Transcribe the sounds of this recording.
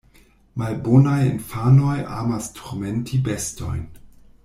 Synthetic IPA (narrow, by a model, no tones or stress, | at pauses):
malbonajḭnfanojaːmastʰoɾmentʰibesto̰jn